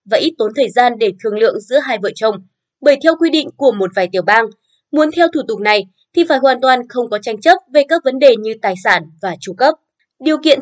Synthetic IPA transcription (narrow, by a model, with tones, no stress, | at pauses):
vaː˧˨˩ʔi˦˥t̚t̪o˨˦nt̪ʰəː˨˩jzaː˧nɗe˧˩t̪ʰɨ˨˩əŋlɨ̰˧˨əŋzɨ̰˧˥əɦaː˧jvə̰˧˨t͡ɕə˧wŋ͡m | ɓəː˧˩jt̪ʰɛ˧wkwi˧ɗḭ̈˧˨ŋ̟ku˧˩əmo˨˩t̚vaː˨˩jt̪i˧˩əwɓaː˧ŋ | mu˨˦ənt̪ʰɛ˧wt̪ʰu˧˩t̪ʊ˨˩k̚na˨˩j | t̪ʰi˨˩faː˧˩jhwaː˨˩nt̪waː˨˩nxə˧wŋ͡mkɔ˨˦t͡ɕa˧jŋ̟t͡ɕə˦˥p̚ve˨˩kaː˦˥k̚və˨˦nɗe˨˩ɲɨ˧t̪aː˨˩jsaː˧˩nvaː˨˩t͡ɕu˧˩kə˦˥p̚ | ɗi˨˩əwkḭ˧˨ən